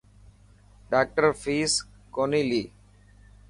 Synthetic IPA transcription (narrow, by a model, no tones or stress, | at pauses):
ɖaːk̚ʈəɾfiːs | konili